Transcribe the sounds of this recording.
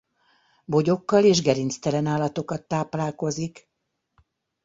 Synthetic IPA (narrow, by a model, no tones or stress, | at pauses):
bo̞ɟo̞kːɒleːʒɡɛɾint̪st̪ɛlɛnaːlɒt̪o̞kɒt̪ːaːplaːlko̞zik